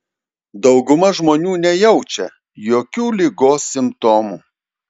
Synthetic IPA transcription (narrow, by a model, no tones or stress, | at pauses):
d̪ɒʊɡʊmɐʒmoːnʲuːnʲɛjɛʊt͡ʃʲɛ | joːkʲuːlʲiːɡoːsːʲɪmpt̪oːmuː